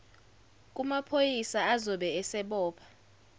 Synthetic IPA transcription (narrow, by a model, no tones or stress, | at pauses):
k̬ʼumapʰojisaazɔɓɛɛsɛɓɔːpʰḁ